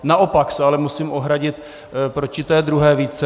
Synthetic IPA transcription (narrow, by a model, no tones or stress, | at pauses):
nao̞paksɛalɛmusiːmʔo̞ɦɾaɟɪt̪ | pɾo̞cɪt̪ɛːd̪ɾuɦɛːviːt͡sɛ